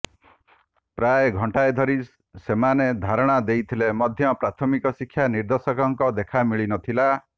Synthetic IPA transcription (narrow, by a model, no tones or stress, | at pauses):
pɾajeɡʱɔɳʈaed̪ʱɔɾi | semaned̪ʱaɾɔɽ̃ad̪ejt̪ʰilemɔd̪ʱjɔpɾat̪ʰɔmikɔsikʰːjaniɾd̪ɔsɔkɔŋkɔd̪ekʰamiɭinɔt̪ʰila